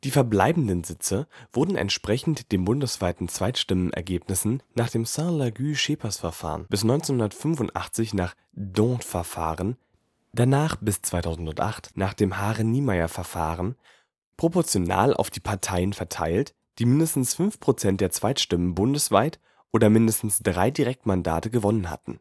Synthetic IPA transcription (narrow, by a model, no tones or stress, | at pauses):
d̥iːfɛɐbla̰ɪbn̩dənzɪt͡səv̥ʊɐdn̩ɛ̰ntʃpʁ̥ɛçn̩td̥eːmbʊndəsv̥aɪtn̩t͡sv̥aɪtʃtɪmənʔɛ̰ɐɡeːpnɪsn̩naːχd̥eːmsɛ̃laɡyːʃeːpʰɐsfɛɐfa̰ːʁənb̥ɪsnɔʏnt͡senhʊndɐtfʏnfʊntʔa̰χt͡sɪçnaːχ | dɔ̃tfɛɐfa̰ːʁən | d̥anaːχb̥ɪst͡sv̥aɪtʰaʊzn̩tʊntʔa̰χtnaːχd̥eːmɦaːʁɛniːmaɪɐfɛɐfa̰ːʁ̞ən | pʁ̥opɔɐt͡sjona̰ːlʔa̰ʊfd̥iːpʰaɐtʰaɪənfɛɐtʰa̰ɪlt | d̥iːmɪndəstn̩sfʏnfpʁ̥ot͡sɛnt̚d̥eːɐt͡sv̥aɪtʃtɪmənbʊndəsv̥aɪt | ʔoːdɐmɪndəstn̩sd̥ʁaɪdiʁɛk̚tmanda̰ːtəɡəvɔnənha̰tn̩